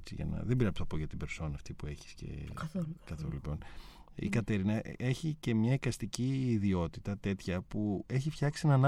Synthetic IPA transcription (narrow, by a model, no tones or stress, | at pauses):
t͡sḭʝɐ̰nɐ̰ðebiɾɐpuθɐpoʝɐt̪ibe̞ɾso̞nɐft̪ipue̞çi̥scḛkɐθo̰lulipo̞n | ḭkɐt̪e̞ɾinɐe̞çice̞mɲɐikɐst̪iciːðio̞t̪it̪ɐt̪e̞t̪çɐpue̞çifçɐksienɐn